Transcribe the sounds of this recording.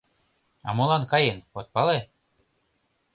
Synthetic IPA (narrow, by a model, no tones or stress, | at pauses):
ɑ̰mŏlˠɑnkɑjenot̪̚pɑle